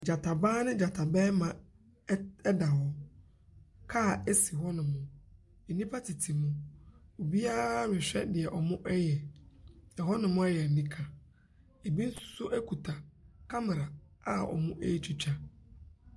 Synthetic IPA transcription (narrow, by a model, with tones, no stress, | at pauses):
d͡ʑa˨tʰa˨baː˦nɪ̃˦d͡ʑa˨tʰa˨bɛː˦mã˨ | ɛ˦da˨ɦɔ˦ | kʰa˦˨ɛ˦si˨ɦɔ˦nʊ̃˨mʊ̃˨ | e˨nĩ˦pʰa˦tʰi˨tʰi˨mʊ̃˦o˨bi˦a˦ɾɪ˨ɕᶣɛ̰˦dɪ˨ɛ˨ʔɔ˨mʊ̃˦ʔɛ˦jɛ˨ | ɛ˨ɦɔ˦nɪ̃˨mʊ̃˦ɛ˦jɛ˨nĩ˦kʰa˨ | e˨bi˦n̩˦sʊ̥˨sʊ˦ʔæ˦kʰu˨tʰa˨kʰa˦mɪ˨ɾa˨a˦ɔ̰˨mʊ̃˦ʔæ˦i˦t͡ɕʰi˦t͡ɕᶣa˦